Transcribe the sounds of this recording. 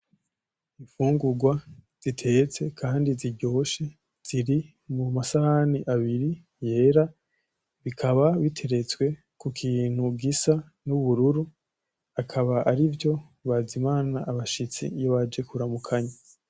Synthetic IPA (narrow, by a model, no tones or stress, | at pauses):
iɱfuːŋɡuɡwaz̥itʰe̞t͡se̞kʰaːndiziɾɟo̞ːʃe̞ | z̥iɾi | mumasahaniʔaβiɾi | je̞ːɾa | βikʰaβaβitʰe̞ɾe̞t͡swe̞ | kukʰiːn̥hubɡisa | nuβuɾuɾu | akʰaβaʔaɾivjo̞ | βazimaːnaʔːβaʃit͡sḭjoβad͡ʒe̞kuɾamukʰaɲa